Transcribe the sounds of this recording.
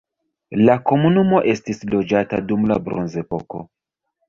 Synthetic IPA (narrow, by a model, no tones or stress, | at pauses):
lako̞munumo̞ʔe̞stislo̞d͡ʒata̰dumla̰bɾonze̞po̞ko